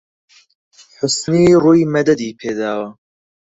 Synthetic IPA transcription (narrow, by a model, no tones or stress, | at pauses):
ħʊsniːruːjmɐd̪ɐd̪iːpʰeːd̪aːwɐ